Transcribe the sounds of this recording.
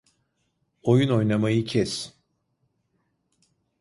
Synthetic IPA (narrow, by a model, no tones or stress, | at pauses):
o̞juno̞jnamajɯcʰɛs